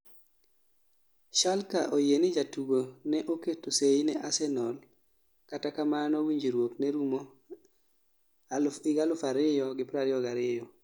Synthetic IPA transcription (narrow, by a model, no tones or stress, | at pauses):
ʃalkaʔojenɪd͡ʒatuɡonɛʔoketosejnɛʔasɛnɔl | katakamanɔwiɲd͡ʒiɾwoknɛɾumo | alɪɡalʊfaɾɪjɔɡɪpɾaɾɪɔɡaɾɪjɔ